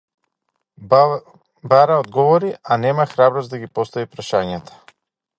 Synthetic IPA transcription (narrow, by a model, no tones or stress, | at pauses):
baɾaɔd̪ɡɔvɔɾiʔanɛmaxɾabɾɔsd̪aɡipɔst̪aipɾaʃaɲat̪ʰḁ